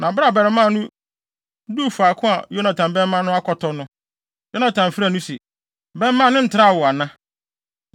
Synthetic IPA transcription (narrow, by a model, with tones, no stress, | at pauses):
nã˨bɾa˦˨bɛ˨ɾɛ˦mã˦˨nũ˦ | du˦˨fu˨a˨kʰʊ̃˦a̰˨jo˦nã˨tʰã˨mbɛ̃˦m˦mã˦nʊ̃˦a˦kʰɔ˨tʰɔ˨nʊ̃˦ | jo˦nã˨tʰã˨m˨fɪ˦ɾa˦˨nũ˦sɛ˨ | bɛ̃˦m˦mːã˦˨nɪ̃˦n̩˨tʰɾa˦a˨wʊ˨a˨nã˦